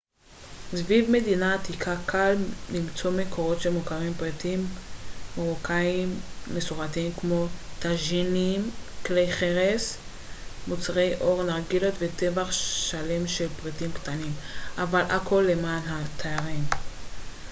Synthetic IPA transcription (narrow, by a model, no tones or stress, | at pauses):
zvivme̞dinat̪ikʰakʰallimt͡so̞mekʰo̞ʁo̞t̪ʃelmukaʁimpʁit̪imː | oʁokaimːesuʁatimkmo̞t̪aʒinimklejχeʁes | mut͡sʁe̞jʔo̞ʁnaʁɡilot̪vet̪e̞vaχʃale̞mʃe̞lpʁitimkt̪animʔavalʔakʰo̞lːe̞maːnɦat̪ʰaaʁim